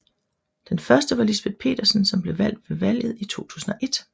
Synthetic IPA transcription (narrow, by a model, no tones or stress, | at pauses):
d̥enfɶɐsd̥əʋɑ̈lisb̥e̝ð̥ˠpʰe̝̰ːd̥ɐsn̩sɒ̽mb̥le̝ʋæl̰d̥ʋe̝ʋæl̰jð̞̩ˠit͡sʰo̝̰ːt͡sʰṵːsn̩ɒ̽ʔe̝d̥